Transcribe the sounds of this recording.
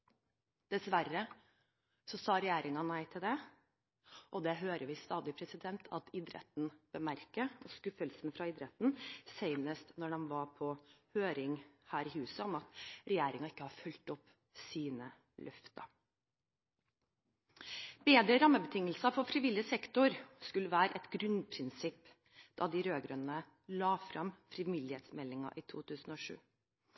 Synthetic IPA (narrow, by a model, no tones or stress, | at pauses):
d̪̥ɛsʋærə | sɔsɑːɾɛjeːɾɪŋɑnæɪt̪ʰɪld̪ɛ | ʔɔd̪ɛɦøːɾəʋɪst̪ɑːd̪ɪpʰɾɛsɪd̪ɛnt̪ʰɑt̪ɪd̪ɾɛ̰t̪n̩b̥əmæɾkəɔskʉfəlsənfɾɑɪd̪ɾɛt̪n̩seɪnəst̪nɔɖɛnʋɑɾpʰɔhøːɾɪŋhæːɾɪhʉːsəɔmɑt̪ɾɛjeːɾɪŋɑɪkːəhɑɾfʉlt̪ɔpː | siːnə | lʔœft̪ɑ̰ | beːd̪ɾəɾɑmːəbət̪ʰɪŋːəlsɑfɔɾfɾɪʋɪlɪəsɛkt̪ʊɾskʉlːəʋæːɾəʔɛt̪ɡɾʉnpʰɾɪnsɪpː | d̪̥ɑd̪ɪɾøːɡɾœnnə | lɑːfɾɑmfɾɪʋɪlːɪhɛːt̪smɛlːɪŋɑ̰ʔɪt̪ʰṵːt̪ʰʉːsn̩ɔʂʉ̰ː